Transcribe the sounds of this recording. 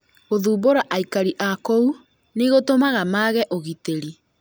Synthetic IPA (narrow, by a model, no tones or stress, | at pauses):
ɣoðuːboɾaʔaikaɾiʔakou | neɣotomaɣamaɣɛʔoɣiteɾi